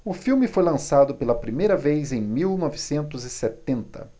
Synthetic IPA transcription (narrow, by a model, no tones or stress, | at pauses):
ʊfiwmɪfojlɐ̃sad̪ʊpelɐpɾimejɾɐvejzẽj̃miwnɔvɪsẽnt̪ʊzɪset̪ẽnt̪ɐ̰